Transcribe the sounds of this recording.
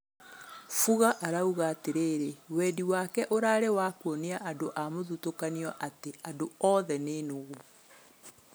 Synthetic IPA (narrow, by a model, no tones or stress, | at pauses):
fuɣaʔaɾauɣaːteɾeːɾewɛːdiwakɛʔoɾaːɾewakwoniaʔadoʔamoðutokaniɔʔateadoɔðɛnenoɣu